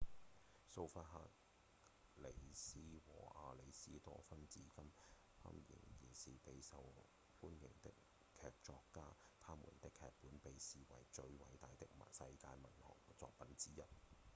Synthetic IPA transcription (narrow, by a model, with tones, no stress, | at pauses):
so˧wfaː˧t̚ɦaː˧t̚ | le˨˩jsiː˥wɔː˨˩ʔaː˧le˨˧jsiː˥t̪ɔː˥fɐ˥nt͡siː˨˥kɐ˥m | t̪ʰɐ̰ː˥mjɪ̰˨˩ŋjiː˨˩siː˨pe˨˧jsɐ˨w | fuː˥njɪ˨˩ŋt̪ɪ˥k | kʰɛː˨˧k̚t͡ʃɔː˧kːaː˥t̪ʰaː˥mṵ˨˩nt̪ɪ˥kʰɛː˧k̚pːuː˨˥npe˨jsiː˨˩wɐ̰˨˩jt͡ʃɵ˧ɥwɐ̰˨˥jt̪aː˨jt̪ɪ˥k̚mɐ˨sɐ˧jkaː˧jmɐ˨˩nhɔ̰ː˨˩ŋt͡sɔː˧k̚pɐ˨˥nt͡siː˥jɐ˨t̚